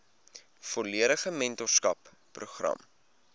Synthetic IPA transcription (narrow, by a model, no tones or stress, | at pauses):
fɔliəɾəχəmɛntɔrskɐpː | ruχrɐ̰m